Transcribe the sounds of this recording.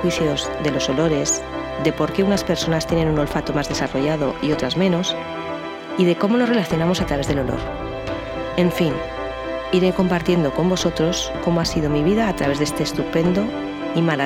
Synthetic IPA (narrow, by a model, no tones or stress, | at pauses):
wiθjozðe̞lo̞so̞lo̞ɾe̞z | ðe̞po̞ɾke̞unaspe̞ɾso̞nast̪je̞ne̞nuno̞lfat̪o̞mazðe̞saro̞ʝað̞o̞ʔio̞t̪ɾazmẽ̞no̞s | iðe̞ko̞mono̞zre̞laθjo̞namo̞sat̪ɾaβe̞zðe̞lo̞lo̰ɾ | e̞ɱfin | iɾe̞ko̞mpaɾt̪je̞nd̪o̞ko̞mbo̞sot̪ɾo̞sko̞moasiðo̞miβiðaːt̪ɾaβe̞zð̞e̞st̪e̞ːst̪upe̞nd̪o | imaɾa